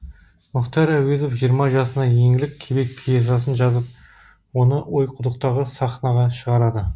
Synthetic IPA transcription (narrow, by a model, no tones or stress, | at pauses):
mʊqt̪ɑɾæwezofʒijəɾmɑʒɑsənɑje̞ŋɪlɪkʲʰːe̞be̞k̚pʰijes̬ɑs̬ənʒɑzəp̚ | wo̞nəwo̞jqʰʊd̪əq̚t̪ɑʁəsɑχnɑʁɑʃəʁɑɾɑd̪ə